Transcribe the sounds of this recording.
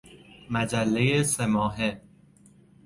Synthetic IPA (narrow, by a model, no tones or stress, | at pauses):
mæd͡ʒælːejesemɒːɦe